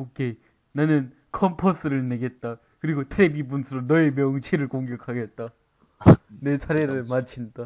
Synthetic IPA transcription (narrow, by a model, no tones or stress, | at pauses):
okʰe̞ | nanɯn | kʰʌmpʰʌs͈ʰɯɾɯɭne̞ɡe̞t̚t͈a | kɯɾiɡotʰɯɾebibunsʰɯɾonʌemjʌŋt͡ɕʰiɾɯɭkoŋɡjʌkʰaɡe̞t̚t͈a | ne̞t͡ɕʰaɾeɾɯɭmat͡ɕʰinda